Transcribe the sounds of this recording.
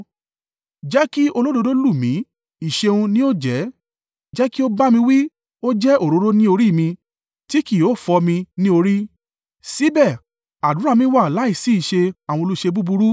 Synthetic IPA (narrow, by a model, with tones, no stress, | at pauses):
d͡ʒɛ˦ki˦o˧lo˦do˧do˦lu˦˨mĩ˨˦ | i˨ʃe˧ũ˧nĩ˦o˦d͡ʒɛ˨˦ | d͡ʒɛ˦ki˦o˦ba˦mĩ˧wi˦ | o˦d͡ʒɛ˦ʔo˦˨ɾo˨˧˦ɾo˦nĩ˦o˧ɾi˦˨mĩ˧ | ti˦ki˦˨o˨˦˨fɔ˧mĩ˧nĩ˦o˧ɾi˦ | si˨˦bɛ˦˨ | a˨dũ˨˦ɾa˦˨mĩ˧˦wa˦˨la˨˦i˦˨si˨˦i˦˨ʃe˧a˨w̃ɔ̃˧lu˦˨ʃe˧bu˦bu˧ɾu˦